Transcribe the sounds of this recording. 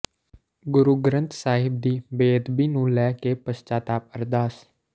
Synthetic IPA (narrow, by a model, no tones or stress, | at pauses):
ɡʊɾuːɡɾənt̪saːɦɪb̚d̪iːbeːd̪biːnũːlɛːkepəst͡ʃaːt̪aːp̚əɾd̪aːs